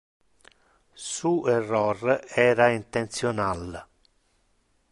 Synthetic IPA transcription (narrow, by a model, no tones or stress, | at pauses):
suːɛrːɔrɛːɾaint̪ent̪sjɔnal